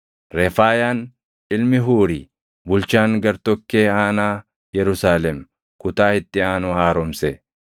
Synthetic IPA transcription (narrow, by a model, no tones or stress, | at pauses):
ɾɛfaːjaːn | ɪlmɪɦuːɾi | bʊlt͡ʃaːŋɡɐɾt̪ɔkːeːaːnaː | jɛɾʊsaːlɛm | kʊt̪aːhɪt̪ʼːɪaːnʊhaːɾɔmsɛ